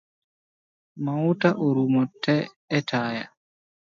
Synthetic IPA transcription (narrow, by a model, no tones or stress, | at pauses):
mawtaʔoɾumɔtʰːɛː | tʰaːja̰